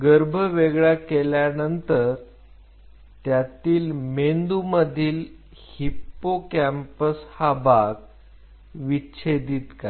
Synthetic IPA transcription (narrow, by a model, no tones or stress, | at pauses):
ɡəɾbʱəʋeɡɭjakeljanənt̪əɾ | t̪jat̪iːlmend̪uməd̪ʱiːl | hipːokæmpəshabaɡ | ʋiɕʰed̪iːt̪ka